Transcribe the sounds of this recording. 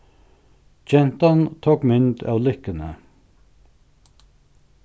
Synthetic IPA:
d͡ʒɛnt̪ɑnt̪ʰoːkmʏnt̪ʰɑ̰wlʏhkənə̰

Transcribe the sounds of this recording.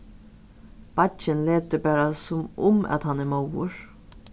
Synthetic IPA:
b̥ɑt͡ʃənleːt̪əbæːɾɑsɔmʊ̰mɑ̰t̪hɑnæːmawə̰ɹ

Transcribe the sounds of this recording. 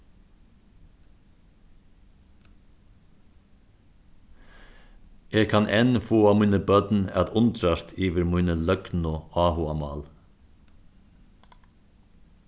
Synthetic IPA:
eːɡkʰanʔɛnfoːamiːnəbœt̪nɛ̰t̪ʊnt̪ɾast̪ʰiːʋɪɾmujnəlœknʊɑːhʊamɑːl

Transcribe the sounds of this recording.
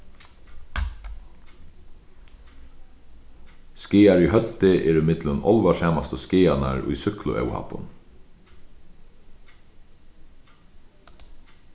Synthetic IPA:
skɪːaɹiɦœt̪ːɪʔɛɾʏmɪt̪lʊnɔlʋaʂɛːmast̪əskɪːana̰ɹṵjsʏklʊ̰ʔɛ̰wha̰pːʊ̰n

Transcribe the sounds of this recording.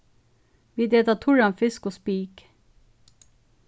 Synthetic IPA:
ʋiːd̪eːt̪ɑt̪ʰʊɹɑnfɪskoːspiːk

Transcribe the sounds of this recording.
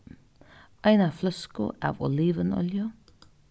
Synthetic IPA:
ʔɑɪnæːflœskʊ̰ʔæ̰ːʋɔ̰liːʋənɔ̰ljə

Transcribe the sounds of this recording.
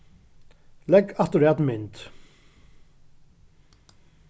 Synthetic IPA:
lɛɡat̪ʊɾɛːt̪mɪnt̪

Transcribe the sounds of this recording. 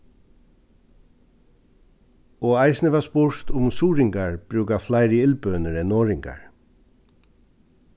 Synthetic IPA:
ɔːaɪsnɪʋaspʊɹt̪ʊmsuːɾɪŋkaɹb̥ɾʉːkaflaɪɾəɪlpøːnəɾɛnːɔːɾɪŋka̰ɹ

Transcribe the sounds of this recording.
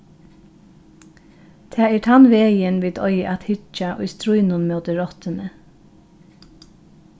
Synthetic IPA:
t̪ʰæːiʈʰɑnʋeːjənʋiːt̪ʰɔʏəʔɑt̪hɪt͡ʃɑʔɔ̰ʏst̪ɾuʏnʊnmøːd̪əɹɔt̪ənə

